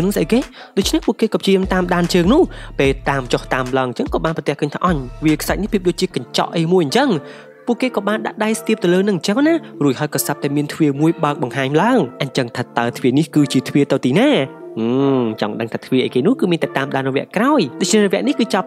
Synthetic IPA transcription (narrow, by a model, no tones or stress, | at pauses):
əwnɨŋsʔəjkeːɗoc̚t͡ɕʰnehpuəʔkeːkɑːp̚ʰt͡ɕiəmt̪aːmɗaːnt͡ɕəːŋnʊ̆əhpeːlt̪aːmt͡ɕoht̪aːmlaəŋɲt͡ɕəŋkɑːɓaːnpɑt̪ɛ̆hkəːɲt̪ʰa̰ːʔɑɲʋiəkʰsajt̚nihpʰiəp̚ɗoːc̚t͡ɕiəkaɲt͡ɕɑ̰ʔəjmuəjʔəɲt͡ɕəŋ | puəʔkeːkɑːɓaːnɗa̰ʔɗajst̪iəp̚t̪ɨwləːnɨŋɲt͡ɕəŋnaruəc̚hɦaəjkɑːsap̚t̪aɛmiənt̪ʰʋiəmuəjɓaək̚ɓɑŋɦaːɲlaəŋʔəɲt͡ɕəŋt̪ʰəːt̪ːaət̪ʰʋiənihkɨːt͡ɕiət̪ʰʋiət̪ɨwt̪iːnaːʔɨːt͡ɕɑ̰ŋɗəŋt̪ʰaːt̪ʰʋiəʔaːkeːnʊ̆əhkɨːmiənt̪ɛt̪aːmɗaːnrɔʋɛ̆əʔkraɔjɗoːt͡ɕʰnɛhrɔʋɛ̆əʔnihkɨːt͡ɕɑp̚